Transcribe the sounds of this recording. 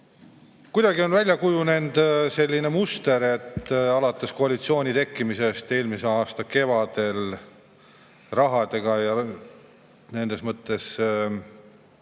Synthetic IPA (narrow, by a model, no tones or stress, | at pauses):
kujd̪̥ɑɡio̞nvælʲjɑkujune̞nd̪se̞lʲːine̞must̪e̞ɾe̞t̪ːɑlɑt̪ːˑe̞skoɑlit̪sio̞ːnʲit̪e̞kːimise̞st̪e̞ːlmiseɑːst̪ɑke̞vɑd̪e̞l | rɑɦɑd̪e̞ɡ̥ɑjɑ | ne̞nd̪̥e̞smɤt̪ːˑe̞s